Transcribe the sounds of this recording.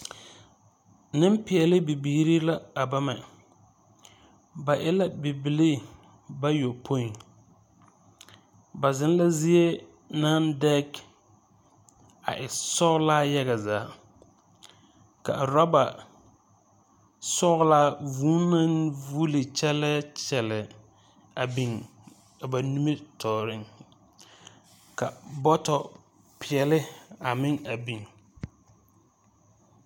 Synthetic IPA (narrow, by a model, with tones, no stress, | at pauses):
nɪ˦m˦pɪ˨ɛ˨lɪ˦bi˨biː˨˦ɾi˦la˦a˨ba˦mɛ˨ | ba˨ʔɪ˦la˦bi˨bɪ˨li˦ | ba˦jo˨pʰo˦i˨ŋ | ba˨zɪ˦n˦la˦zi˦e˦ | na˦ndɛ˦k | a̰˨ʔɪ˨sɔ˦ɣlaː˦jɛ˦ɣa˨zaː˨˦ | ka̰˨ɾa˦ba˨ | sɔ˦ɣʊ˦laː˦vuː˦na˦nvu˦li˨t͡ʃɛ˦lɛ˦t͡ʃɛ˨lɛ˨ | a˨bi˨ŋ | a˨ba˨nu˦me˦tʰɔː˨ɾɪ˦ŋ | ka˨bɔ˦tɔ˨ | pʰɪ˨ɛ˨lɪ˦a˨mɪ˦ŋa˨bi˨ŋ